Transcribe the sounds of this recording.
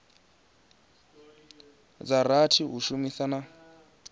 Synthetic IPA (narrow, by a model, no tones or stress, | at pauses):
d͡zaɾatʰiɦuʃumisana